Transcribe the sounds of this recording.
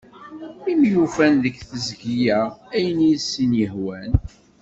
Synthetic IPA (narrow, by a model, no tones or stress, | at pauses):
imjufænðəkθəzɡijææjənisːinjəhwæn